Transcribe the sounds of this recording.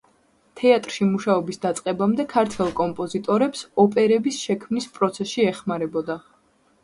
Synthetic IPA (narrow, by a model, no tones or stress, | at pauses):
t̪ʰɛat̪ʼɾʃimuʃaɔbisd̪at̪sʼqʼɛbamd̪ɛkʰaɾt̪ʰwɛlˠkʼɔmpʼɔzit̪ʼɔɾɛpsɔpʼɛɾɛbisʃɛkʰmnispʼɾɔt̪sʰɛsʃiɛχmaɾɛbɔd̪a